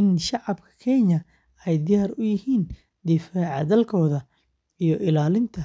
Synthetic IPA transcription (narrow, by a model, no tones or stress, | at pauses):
ɪnʃɑʕɑbkʰɐ̥kʰɛɲɐ | ɛjd̪ɪjaːrʊjɪhiːn | d̪ɪfaːʕɑd̪ɐlkʰɔːðɐ | ijɞʔɪlaːlɪnt̪ʰɐ